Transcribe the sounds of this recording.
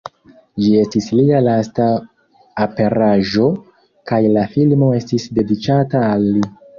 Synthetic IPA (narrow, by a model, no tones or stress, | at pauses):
d͡ʒie̞stislialasta | ape̞ɾaʒo̞ | kajlafilmo̞e̞stisde̞dit͡ʃataːlːi